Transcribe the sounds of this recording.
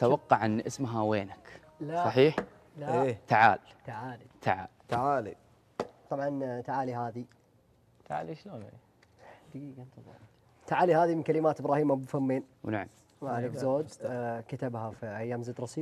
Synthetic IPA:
t̪awɑqːɑʕʔɪnːʔɪsmɦaweːnak | lasˤɑħiːħ | lat̪aʕa̰ːlt̪aʕaːlit̪ʰaʕa̰ːlt̪aʕaːli | t̪ˤɑbʕɑnt̪aʕaːliɦaːði | t̪aʕa̰ːliʃloːnḛ | d̪iɡant̪lˤɑ̰ | t̪aʕaːlihaːðimɪnkalɪmaːt̪əbɾɑːhiːmabfamːeːnwnaʕam | malɪkzoːd̪kat̪abhafiʔajːaːmzəːd̪ɾˤɑsiː

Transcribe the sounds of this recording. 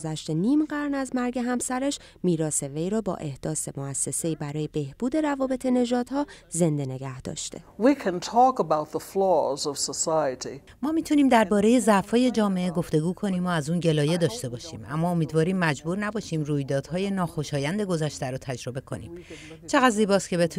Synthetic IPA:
zæʃt̪eniːmɢæɾnæzmæɾɟe̞ɦæmsæɾeʃ | miːɾɒːse̞ve̞jɾɒːbɒ̰ːʔe̞hd̪̥ɒːse̞moæsːe̞se̞iːbæɾɒːje̞be̞hb̥uːd̪e̞ɾævɒːbe̞t̪ʰe̞ne̞ʒɒːd̪̥hɒːze̞nd̪e̞ne̞ɡæhd̪̥ɒ̰ːʃt̪ʰe̞̰wikʰɨ̃ntʰɔkəbaʊt̪̚ðəflɔzʌv̥səsaɪətḭ | mɒːmiːt̪ʰuniːmd̪æɾbɒːɾe̞je̞zæfɒːje̞d͡ʒɒːme̞ʔeɡo̞ft̪e̞ɡuːkʰo̞niːmoæzuːnɟe̞lɒːje̞d̪ɒːʃt̪e̞bɒːʃḭːmʔæ̰mːɒːomiːd̪vɒːɾiːmːæd͡ʒbuːɾnæbɒːʃiːmruːjd̪ɒːd̪hɒːje̞nɒːxo̞ʃɒːjænd̪e̞ɡo̞zæʃt̪æɾot̪ʰæd͡ʒɾo̞be̞kʰo̞̰nḭːm | t͡ʃʰe̞ɣæd̪ziːbɒːscʰe̞bet̪ʰ

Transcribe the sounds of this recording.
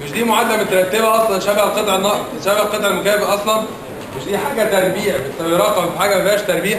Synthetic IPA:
feʃd̪iːmoʕad̪ːæmet̪ɾˤɑt̪ːebæʔɑsˤlɑnʃæbhælqet̪ˤʕenːɑʔmeʃæbhælqet̪ˤʕelmʊkæːbʔɑsˤlɑn | feʃd̪iːħaːɡæt̪æɾˤbiːʕæfeʃæbiɾˤɑqɑmfiħaːɡæmæfæːʃt̪ɑɾˤbiːæ

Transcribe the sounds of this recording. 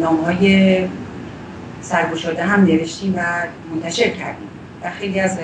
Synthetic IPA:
nɒːmhɒːje | sæɾɡoʃɒːd̪eɦæmne̞ve̞ʃt̪iːmvæmont̪ʰæʃe̞ɾcʰæ̰ɾd̪iːm | væxe̞jliːæz

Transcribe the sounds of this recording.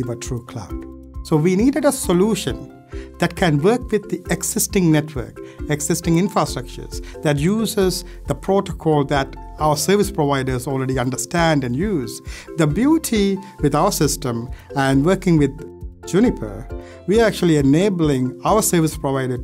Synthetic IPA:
ʋəʈʰɾuːkʰla̰b | soːʋiniːɖəɖəsəluːʃə̃n | d̪̥æʈ̚kʰæ̃nʋəːkʋɪd̪̚ːiʔɛɡsɪsʈɪ̃ŋnɛʈʰʋə̰ɾkɛɡsɪsʈɪ̃ŋɪ̃nfɾasʈɾʌk̚t͡ʃə̰ɾzd̪æʈjuːzɪz | d̪əpʰɾoːʈokʰɔːlˠd̪æʈ | aʊəsəːɾʋɪspɾɔʋaɪdəɾzɔlˠɹɛɖiʌ̃nɖəsʈæ̃nɖæ̃njuːzd̪əbjuːʈʰiʋɪd̪aʊəsɪstə̃mæ̃nɖʋəɾkɪ̃ŋʋɪd̪d͡ʒunɪpʰə̰˞ | ʋiəɾæk̚t͡ʃuəlˠiɛneːblɪ̃ŋaʊəsəɾʋɪspɾɔʋaɪɾə

